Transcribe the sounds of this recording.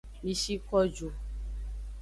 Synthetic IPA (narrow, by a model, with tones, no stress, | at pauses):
mĩ˨ʃi˦kɔ˦d͡ʒo˨